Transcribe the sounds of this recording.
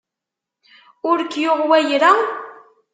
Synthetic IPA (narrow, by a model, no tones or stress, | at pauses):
ʊɾkjoʁwæjɾa